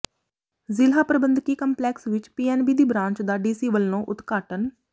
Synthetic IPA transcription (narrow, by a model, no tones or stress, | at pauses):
zɪlɦaːpɾəbənd̪kiːkəmplɛːksʋɪt͡ʃpiːɛːnbiːd̪iːbɾãːɲt͡ʃd̪aːɖiːsiːʋəlnõːʔʊt̪kaːʈən